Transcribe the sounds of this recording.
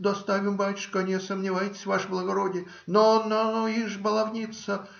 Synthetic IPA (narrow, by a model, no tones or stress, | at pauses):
d̪ɐst̪avʲɪmbalʲtʲʃkəɐnʲesəmnʲɪvajɪtʲɪ̥sʲvaʂblˠəɡɐɾodʲɪ | nononoiʐbəlˠɐvnʲit̪sə